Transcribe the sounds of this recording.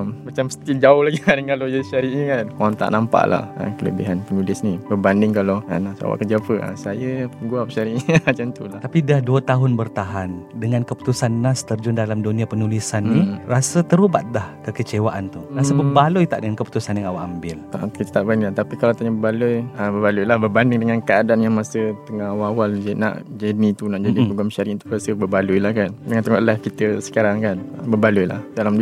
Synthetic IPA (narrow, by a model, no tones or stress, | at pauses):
mmat͡ʃamsə̥t̪id͡ʒaʊhlaɡiadəŋalojəʃaɾiʔiakaant̪a̰ʔnampa̰ʔla̰hə̰kələ̰biɦanpənulɪsnibəbandɪŋkaloa̰nasa̰wa̰ʔkərd͡ʒapəa̰sajəpəɡuapʃaɾiʔat͡ʃant̪ulat̪apidahduat̪aɦʊnbərt̪aɦandəŋankəpu̥t̪usanːast̪ərd͡ʒʊndalamdonĩapənulisanːirasət̪əɾuba̰t̪̚dahkəkət͡ʃewaʔant̪urasəbəbalujt̪a̰ʔdəŋankəpu̥t̪usanjaŋawaʔambɪlakit̪ət̪aʔbandɪŋlat̪apikalat̪aɲəbəbalujəbəbalujlahbərbandɪŋdəŋankəadaanjaŋmasət̪əŋahawaawald͡ʒəna̰ʔd͡ʒənit̪unaʔd͡ʒadipoɡɾamʃaɾiʔt̪u̥rasəbəbalujlahkandəŋãnt̪əŋaʔlahkit̪əsə̥kaɾaŋkanbəbalujla̰hdalam